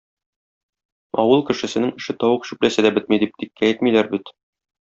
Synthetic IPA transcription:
ɒ̰wɤlˠkɘ̆ʃɘ̆sɘ̆nɘŋɘ̆ʃɘt̪ɒwɤqɕʉplæsɘd̪æbɘt̪mid̪ip̚t̪ik̚kæjɘt̪milæɾbit̪

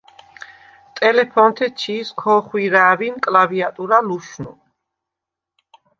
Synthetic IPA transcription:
t̪ʼɛlɛpʰɔnt̪ʰɛt͡ʃʰiːskʰɔχwiɾaːvinkʼlaviat̪ʼuɾaluʃnu

